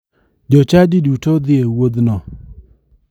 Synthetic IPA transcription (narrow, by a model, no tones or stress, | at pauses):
d͡ʒɔt͡ʃadidutod̪ɪewod̪nɔ